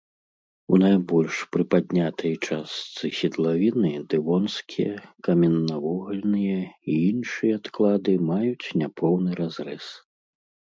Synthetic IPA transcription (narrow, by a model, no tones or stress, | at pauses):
unajbɔlʲʂpɾɨpad̪ʲnʲat̪ɐjt͡ʂast̪sɨsʲid̪lˠavʲinɨd̪ɨvɔnskʲijɐkɐmʲɛnːɐvɔɣɐlʲnɨjɐiinʂɨjɐat̪klˠad̪ɨmajut͡sʲnʲapʰɔwnɨɾazɾɛs